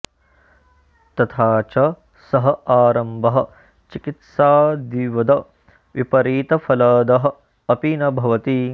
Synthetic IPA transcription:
t̪ɐt̪ʰaːt͡ʃɐ | sɐɦɐaːɾɐmbɐɦɐ̆ | t͡ʃikit̪saːd̪iʋɐd̪ɐ | ʋipɐɾiːt̪ɐfʰɐlɐːd̪ɐɦɐ̆ | ɐpinɐbʱɐʋɐt̪i

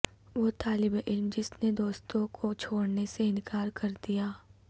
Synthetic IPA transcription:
ʋot̪aːlɪbeʔɪlmd͡ʒɪsned̪oːst̪õkʰot͡ʃʰoːɽneseɪ̃nkaːɾkɐɾd̪ijaː

